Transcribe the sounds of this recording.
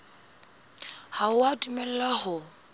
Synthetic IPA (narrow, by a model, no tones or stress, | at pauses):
haʊatʼumɛl̩lahʊ